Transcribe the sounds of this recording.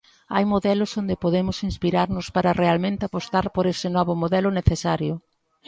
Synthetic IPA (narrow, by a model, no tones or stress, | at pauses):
a̰jmoðɛlʊsond̪epoðemʊsinspiɾaɾnʊspaɾɐrealmẽnt̪ɪapost̪aɾpoɾesɪnɔβʊmoðɛlʊneθesaɾjʊ